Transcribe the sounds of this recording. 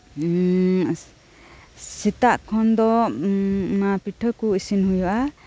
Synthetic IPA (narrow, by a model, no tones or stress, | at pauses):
sit̪aʔkʰɔnd̪ɔ | mapiʈʰəkuisinɦujɔʔa